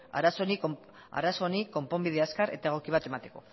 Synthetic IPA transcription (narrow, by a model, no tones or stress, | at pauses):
a̰ɾaso̞nik | a̰ɾaso̞niko̞mpo̞mbiðeaskaɾe̞̰t̪aeɣ̞o̞kiβ̞at̪e̞mat̪e̞ko̞̰